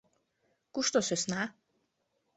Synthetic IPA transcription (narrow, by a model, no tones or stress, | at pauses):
kuʃt̪ɔsɛsna